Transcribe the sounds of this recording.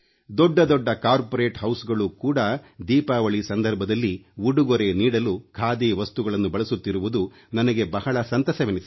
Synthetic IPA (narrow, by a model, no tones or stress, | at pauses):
d̪ɔɖːɐd̪ɔɖːɐkaːɾpoɾeːʈɦɐwsɡɐɭukuːɽɐd̪iːpaːʋɐɭisɐnd̪ɐɾbʱɐd̪ɐlːiuɽuɡoɾe̞niːɽɐlukʰaːd̪iːʋɐst̪uɡɐɭɐnːubɐɭɐsut̪ːiɾuʋud̪u | nɐnɐɡe̞bɐhɐɭɐsɐnt̪ɐsɐʋinisi